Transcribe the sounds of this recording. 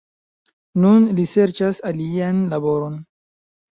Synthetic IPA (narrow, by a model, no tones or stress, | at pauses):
nunlise̞ɾt͡ʃasalianlabo̞ɾo̞n